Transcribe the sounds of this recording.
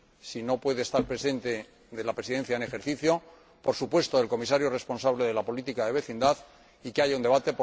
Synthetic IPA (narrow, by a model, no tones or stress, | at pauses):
sino̞pwe̞ðeːst̪aɾpɾe̞sẽ̞nt̪e̞ | ðe̞lapɾe̞siðẽ̞n̟θjaene̞xe̞ɾθiθjo̞ | po̞ɾsupwe̞st̪oðe̞lko̞mis̬aɾjore̞spo̞nsaβle̞ðe̞lapo̞lit̪ikaðe̞βe̞θind̪aθ | ikeaʝaund̪e̞β̞at̪e̞po